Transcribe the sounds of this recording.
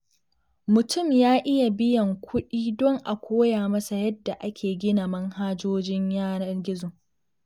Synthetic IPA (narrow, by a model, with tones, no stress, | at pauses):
mʊ˨tʊ˦˨mjaː˦ʔɪ˦ja˨bɪ˦jɐ˨ŋkʷʊ˦ɗiː˦dɔ˦ŋʔa˨kʷoː˦jaː˨mɐ˦sa˨jɐ˦dːa˨ʔa˦kʲʰeː˨ɡʲɪ˦na˨mɐ˦ŋhaː˦d͡ʒoː˦d͡ʒɪ˦ɲjaː˦nɐ˦rɡʲɪ˦zʊ˨